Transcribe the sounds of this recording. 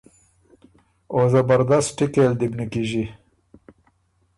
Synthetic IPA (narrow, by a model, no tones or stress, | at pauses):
ozabaɾd̪astʈikeld̪ibnəkiʒi